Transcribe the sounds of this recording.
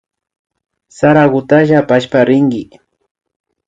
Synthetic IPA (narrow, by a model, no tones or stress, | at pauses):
saɾaɣʊt̪aʒapaʃpaɾɪŋɡɪ